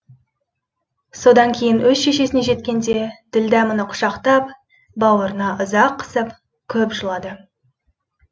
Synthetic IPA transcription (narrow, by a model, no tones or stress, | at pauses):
so̞d̪ɑŋkʲʰe̞jɪnwɵzʃe̞ʃe̞sɪneʒe̞t̪kʲe̞nd̪̞e̞d̪̥ɪld̪æmənəqʰʊ̥ʃɑqt̪ɑp | bɑwəɾənɑʔʊzɑqːə̥səp | kʲʰɵpʒəlˠɑd̪ə